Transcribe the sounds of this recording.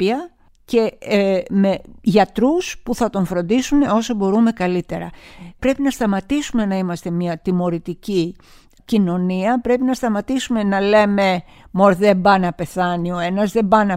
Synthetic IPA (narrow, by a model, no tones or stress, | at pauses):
iɐ | ce̞ | me̞ʝɐt̪ɾuspuθɐt̪o̞ɱfɾo̞nd̪isuneo̞sobo̞ɾume̞kɐlit̪e̞ɾɐpɾe̞pinɐst̪ɐmɐt̪isume̞nɐimɐst̪e̞miɐt̪imo̞ɾit̪ici | cino̞niɐpɾe̞pinɐst̪ɐmɐt̪isume̞nɐle̞me̞ | mo̞ɾðe̞bɐnɐpe̞θɐnioe̞nɐzðe̞bɐnɐ